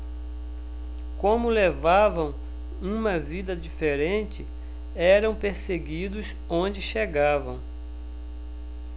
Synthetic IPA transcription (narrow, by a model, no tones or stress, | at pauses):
kõmʊlevavɐ̃w̃ | ũmɐvid̪ɐd͡ʒifeɾẽnt͡ʃɪ | ɛɾɐ̃w̃peɾseɡid̪ʊs | õnd͡ʒɪʃeɡavɐ̰̃w̃